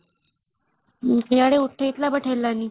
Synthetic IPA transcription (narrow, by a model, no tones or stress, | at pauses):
kjaɽeuʈʰːeit̪labəʈʰelːanːiː